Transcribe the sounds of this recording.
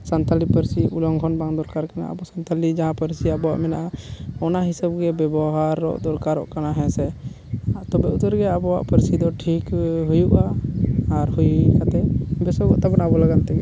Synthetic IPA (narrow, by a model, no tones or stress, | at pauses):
sant̪alipəɾsiʔulɔŋkʰɔnbaŋd̪ɔɾkaɾkana̰ʔa̰bɔsant̪alid͡ʒaɦãpəɾsiabɔwa̰ʔmɛnaʔaɔnaɦisabɡɛbɛbɔɦaɾːɔ̰ʔd̪ɔɾkaɾɔ̰ʔkanaɦɛ̃sɛ | t̪ɔbɛut̪əɾɡɛabɔwa̰ʔpəɾsid̪ɔʈʰikɦujuʔaː | ɾhujuuikat̪ɛbɛsɔɡɔ̰ʔt̪abanabɔlaɡant̪ɛɡɛ